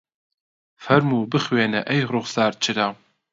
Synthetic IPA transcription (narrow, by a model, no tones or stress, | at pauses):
fɐrmuːbɨχweːnɐʔɐjʁrʊʁʷsaːrt͡ʃʰɪɾaːw